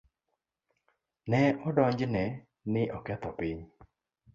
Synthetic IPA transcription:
nɛɔdɔɲd͡ʒnɛ | nɪʔɔkɛt̪ɔpiɲ

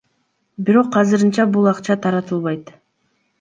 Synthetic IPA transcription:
biɾo̞qːɑzɯɾɯnt͡ʃɑbulˠɑqt͡ʃɑt̪ʰɑɾɑt̪ɯlˠβɑjt̪

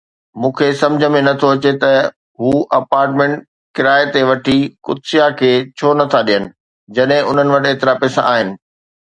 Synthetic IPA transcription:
mũːkʰesɐ̃md͡ʑʱə̆mẽnɐt̪ʰoɐt͡ɕet̪ɐ | ɦuːʔɐpaːɾʈmẽʈ̚ | kɪɾaːet̪eʋɐʈʰikʊd̪sijakʰeːt͡ɕʰoːnɐt̪ʰaɗijənɪ̆ | d͡ʑɐɗɦɪ̃ʊn̤ənɪ̆ʋɐʈeɦt̪ɪɾapɛːsaʔaːɦɪnɪ̆

